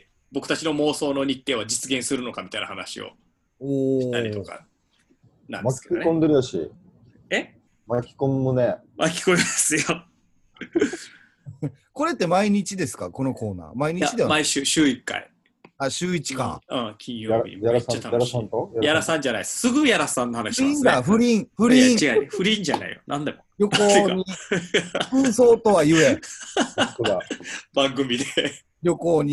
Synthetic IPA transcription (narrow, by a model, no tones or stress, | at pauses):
bo̞kɯ̟t̪at͡ɕino̞mo̞ːso̞ːno̞ɲ̟it̪ːe̞ːβad͡ʑit͡sɨɡẽɰ̃sɨɾɯ̟no̞kamʲit̪aina̰hana̰ɕḭo̰ | oit̪a̰ɾitoka̰ | nã̰nmakinkõ̞nd̪e̞ɾɯjaɕḭ | e | makʲi̥kõmːɯ̟ne | makʲi̥komʲimasɨjo | ko̞ɾe̞t̪ːe̞maiɲ̟it͡ɕid̪e̞sɨ̥kako̞no̞ko̞ːna̰ːmaiɲ̟it͡ɕid̪eamaiɕɨːɕɨːikːa̰ḭ | aɕɨːit͡ɕi̥kã̰ɯ̃kʲʰĩɲ̃joaɾḭjaɾasãajaɾasãnt̪ojajaɾasãɲ̟d͡ʑana̰issɨɡɯjaɾasãnːohanaiĩnd̪aɸɯ̟ɾʲĩɴɸɯ̟ɾ̃ʲt͡ɕiɡaɸɯ̟ɾʲĩɲd͡ʑana̰ḭjo̰nãnd̪emoɾʲjo̞koːɲii | ɸɯːso̞ːt̪o̞βajɯ̟e | ɯɡabãŋɡɯ̟mʲid̪e | ɾʲjo̞koːɲ̟i